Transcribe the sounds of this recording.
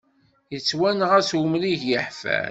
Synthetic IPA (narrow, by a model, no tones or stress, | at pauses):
jət͡sːwænʁæswʊmliʝjəħfæ̰